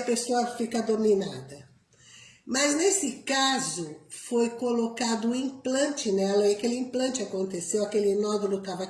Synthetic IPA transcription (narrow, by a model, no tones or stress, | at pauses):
ɐpesoɐfikɐd̪ominad̪ɐ | mɐznesɪkazʊfojkolokad̪ʊĩplɐ̃nt͡ʃɪnɛlɐiakelɪĩplɐ̃nt͡ʃɪakõnt̪esewakelɪnɔd̪olʊt̪avɐ